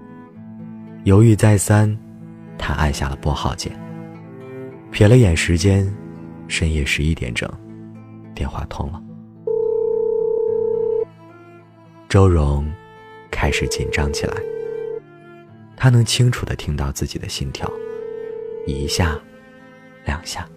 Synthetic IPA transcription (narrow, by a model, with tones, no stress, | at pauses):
jo˧˥ʊy˥˧˥t͡sa˥˩ɪsa˥n | t̪ʰa˥ʔa̰˥˧nɕja̰˥˩lə˩pwɔ˥˧xɑ̰˥˩ʊt͡ɕjɛ̰˥˩˦n | pʰjɛ˨˩lə˦jɛ˨˩nʂɻ̩˧˥t͡ɕjɛ˥n | ʂə˥njɛ˥˩ʂɻ̩˧˥i˥˧t̪jɛ̰˧˥nʈ͡ʂɤ̰˨˩˦ŋt̪jɛ˥˧nxwa̰˥˩t̪ʰʊ˥ŋlə˨ | ʈ͡ʂo˥ʊɻʊ˧˥ŋ | kʰa˥ɪʂɻ̩˨˩˦t͡ɕḭ˨˩nʈ͡ʂɑ˥ŋt͡ɕʰi˨˩lʔa̰˧˥ɪ | t̪ʰa˥nɤ˧˥ŋt͡ɕʰi˥ŋʈ͡ʂʰu˨˩d̪ə̰˦t̪ʰi˥ŋt̪ɑ˥˧ʊt͡sɹ̩˥˩t͡ɕi˨˩d̪ə̰˦ɕi˥˩nt̪ʰjɑ̰˧˥ʊ | i˧˥ɕja˥˩ | ljɑ˨˩ŋɕja˥˩